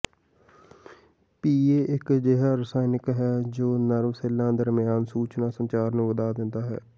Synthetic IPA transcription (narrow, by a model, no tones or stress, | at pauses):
piːeːʔɪkd͡ʒeɦaːɾəsaːɪnɪkɦɛːd͡ʒoːnəɾmsɪlãːd̪əɾmɪjaːnsuːt͡ʃnãːsənt͡ʃaːɾnũːʋəd̪aːd̪ɪnd̪aːɦɛ̰ː